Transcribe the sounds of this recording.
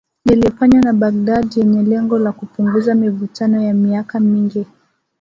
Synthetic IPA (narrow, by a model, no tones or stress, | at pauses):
nilifaɲwanaɓaɡ̚dadijɛɲɛlɛŋɡɔlakupuŋɡuzamivutanɔjamiakamiŋɡi